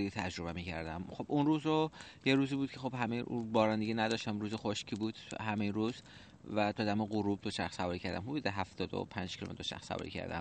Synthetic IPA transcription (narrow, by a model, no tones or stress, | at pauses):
it̪ʰæd͡ʒɾo̞βemiːcʰæɾd̪æmχo̞b̥ũnruːzo | jeɾuːziːbuːd̪̥̚cʰexo̞bɦæmejʔubɒːɾænd̪eɟinæd̪ɒːʃt̪æmɾuːzexoʃcʰiːbuːd̪̥hæmejinɾuːz | væt̪ʰɒːd̪æmeɢuɾuːb̚d̪oʃæxsævɒːɾiːcʰæɾd̪æ̰mhud̪uːd̪eɦæft̪ɒːd̪o̰pʰænd͡ʒkʰilo̰mḛt̪d̪oʃæ̰xχsːæ̰vɒ̰ɾḭcʰæ̰ɾd̪æ̰m